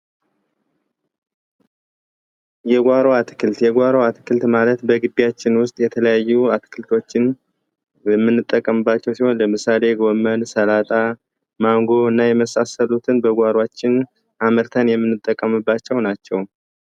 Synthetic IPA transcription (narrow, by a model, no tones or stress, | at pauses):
jɛɡʷaɾoat̪ɨ̥kʰɨlt̪jɛɡʷaɾoat̪ɨkʰɨlt̪malət̪bəɡɨd̪ːijat͡ʃːɪnwʊst̪ʼjɛt̪ʰələjajːuat̪kʰɨlt̪ʰo̞t͡ʃːɪn | jɛmːɨnːɨt̪ʼːəkʼːəmɨbːat͡ʃːɛwsiho̞nləmɨsale̞ɡomənsəlat̪ʼa | maŋɡo̞ɨnːajɛməsasəlut̪ʰɨnbəɡʷaɾwat͡ʃːɪn | ʔaməɾt̪ʰənjɛmːɨnːɨt̪ʼːəkʼːəmɨbːat͡ʃːɛwnat͡ʃːɛw